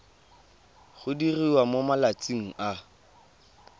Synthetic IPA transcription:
χʊdiriwamomalat͡sʼiŋ̩ʔa

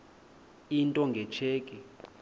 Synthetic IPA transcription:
intʼɔŋɡʱɛt͡ʃʰeːkʼɛ

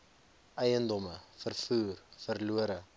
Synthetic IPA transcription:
ɛjəndɔməfərfuːrfərluəɾə

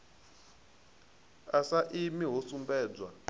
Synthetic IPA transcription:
asaʔimiɦosumbɛːd͡zwa

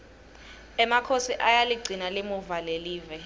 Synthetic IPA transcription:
ɛmakʰosiʔajaliɡ͡ǀʱinalimuvaleliːvɛ

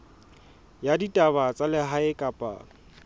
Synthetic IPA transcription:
jaditʼabat͡sʼalɪɦaɪkʼapʼa̰ː

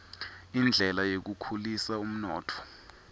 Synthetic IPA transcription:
ind͡ɮʱɛlajek̬ukʰulisaum̩nɔːtʰɔ̥

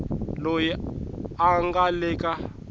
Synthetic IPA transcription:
lojɛaŋɡalɛka

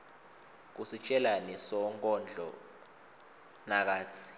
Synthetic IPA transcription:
k̬usit͡ʃʼɛlanɛsɔŋkʼɔnd͡ɮʱɔ̰ | nak̬aːt͡sʰi̥

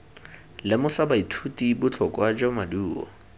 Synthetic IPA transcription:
lɪmʊsabaitʰutibʊt͡ɬʰɔkwad͡ʒɔmaduːɔ̰

